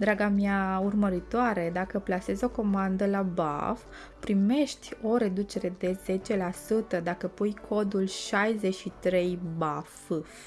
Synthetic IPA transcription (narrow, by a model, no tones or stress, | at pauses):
d̪ɾaɡamjaurməɾit̪oaɾe̞d̪akəplase̞zo̞ko̞mand̪əlaba̰f | pɾime̞ʃt̪ʲo̞ɾe̞d̪ut͡ʃe̞ɾe̞d̪e̞z̥e̞t͡ʃe̞lasut̪əd̪akəpujkʰo̞d̪ulʃajzeʃit̪ɾe̞jbaf